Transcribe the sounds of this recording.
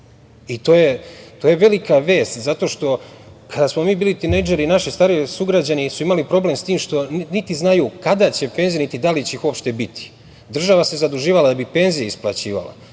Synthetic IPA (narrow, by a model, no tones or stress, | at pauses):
it̪o̞ːjet̪oje̞ʋe̞likaʋe̞ːst̪zat̪o̞ːʃt̪o̞ | kad̪asmo̞miːbiːlit̪inejd͡ʒeɾinaʃist̪aːɾiesuɡɾad͡ʑanisuimalipɾo̞ble̞mst̪iːmʃt̪o̞nnit̪iznajukad̪at͡ɕe̞penzijnit̪id̪alit͡ɕeixuopʃt̪e̞bit̪ʰi̥ | d̪r̩ʒaʋase̞zad̪uʒiːʋalad̪abipe̞nzijaisplˠa̰t͡ɕḭːʋa̰la̰